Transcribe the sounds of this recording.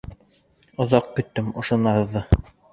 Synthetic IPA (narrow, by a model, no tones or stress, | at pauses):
ŏðɑq̚kɵ̆t̪ːɘmŏʃŏnɑðːɤ